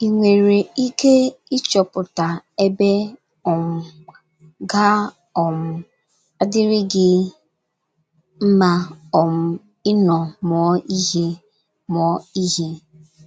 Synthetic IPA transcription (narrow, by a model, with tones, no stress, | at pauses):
i˨ŋʷe˨ɾe˨i˦ke˦ɪ˦t͡ʃɔ˨pʊ˨ta˨e˦be˦ | ɔ˨m̩˨ | ɡa˦ | ɔ˨m̩˨ | a˦dɪ˦ɾɪ˦ɡɪ˦ | m̩˦ma˦ɔ˨m̩˦ | ɪ˦nɔ˨mɔ˨˦i˦ɦe˦ | mɔ˨˦i˦ɦe˦